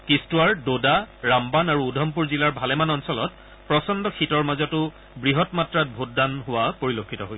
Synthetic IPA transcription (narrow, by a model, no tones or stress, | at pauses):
kistuwaɹdodaɹambanaɹuːdʱɔmp̬uɹzilaɹbʱalɛmanɔnsɔlɔt̚ | pɹɔsɔndɔkʰitɔɹmazɔtʊ | bɹiɦɔtmatɹat̚bʱutdanɦʊwapoɹilokʰːitɔɦoj